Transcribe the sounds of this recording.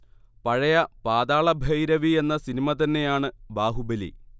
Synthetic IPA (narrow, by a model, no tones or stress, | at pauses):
pɐɻɐjɐpaːd̪aːɭɐbʱɐjɾɐʋie̞nːɐsinimɐt̪ɐnːe̞jaːɳɨbaːɦubelḭ